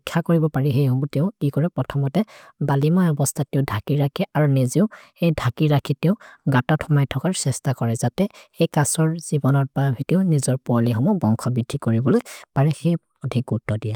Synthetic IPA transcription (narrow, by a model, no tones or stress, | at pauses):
kʰːakoɹibɔpaɹixejɦoɡutɛʊkikɔɹɛpɹɔtʰɔmɔtɛbalimajɔbɔstʰatɛʊdʱakiɹakʰɛʔaɹuneziʊ | ejdʱakiɹakʰitɛʊɡatɔtʰɔmajtʰɔkaɹsɛstakɔɹɛzatɛejkasɔɹz̥ibɔnɔɹpaabʱitiʊnizɔɹpɔɔlixɔmɔbɔŋkʰɔbid̥ʱːikoɹibɔlojpaɹɛxej | odʱik̚ɡutːɔdija